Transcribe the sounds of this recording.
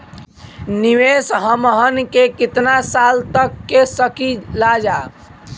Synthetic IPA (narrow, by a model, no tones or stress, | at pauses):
niʋesɦəmɦənkekit̪nasalt̪əkːesəkilad͡ʒa